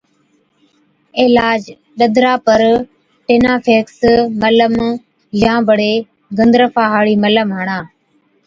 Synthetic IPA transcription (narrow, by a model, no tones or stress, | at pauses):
ɪːlaːd͡ʒ | ɗəd̪ʱɾaːpəɾ | ʈeːnaːpʰeːksmələm | jãːbəɽeː | ɡənd̪ɾəfʰaːɦaːɽiːmələmɦəɳaː